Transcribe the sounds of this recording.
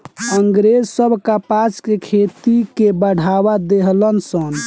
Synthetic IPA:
əŋɡɾed͡ʒsəbʱkapat͡ʃkekʰet̪ikebəɽ̤ʱaβad̪eɦlənsən

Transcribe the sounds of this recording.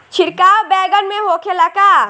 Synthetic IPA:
t͡ʃʰɪɾkaːbɛːɡənmẽɦoːkʰelɐka

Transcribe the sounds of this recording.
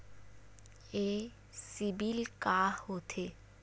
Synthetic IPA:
e | sibilkaːhot̪ʰe

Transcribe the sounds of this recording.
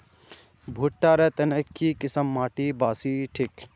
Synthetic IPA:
bʱuːʈːaːɾɐt̪ɐnɐkʰːiːkisɐmːaːʈiːbaːsiːʈʰik

